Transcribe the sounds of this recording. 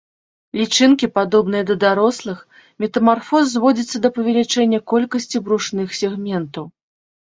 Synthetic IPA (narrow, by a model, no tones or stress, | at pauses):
lʲit͡ʂɨnkʲipad̪ɔbn̪ɨjɐd̪ɐd̪aɾɔslˠɨx | mʲɛt̪ɐmarfɔzːvɔd͡zʲit̪sːɐd̪ɐpɐvʲɛlʲit͡ʂɛnʲːɐkɔlʲkɐsʲt͡sʲibɾuʂnɨxsʲɛɣmʲɛnt̪ɐw